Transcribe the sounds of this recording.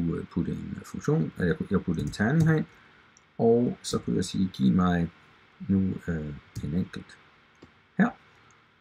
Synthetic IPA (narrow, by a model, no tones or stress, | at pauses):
upʰud̥əenfɔŋɕo̝̰ːnjjäɪpʰud̥əe̝nt͡sʰænɦæɪn | ʔɒʊsɒ̽kʰujäɪsḭːɡ̥ḭːmɑ̈ɪ | nuøe̝neŋ̰ɡ̥l̩d̥ | hæɐ̰